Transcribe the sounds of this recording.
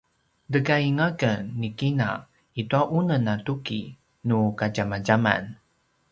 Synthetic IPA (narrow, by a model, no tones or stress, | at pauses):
dəɡaiŋakənːikina̰ | ituaʔunənatuki | nukaɟamaɟama̰n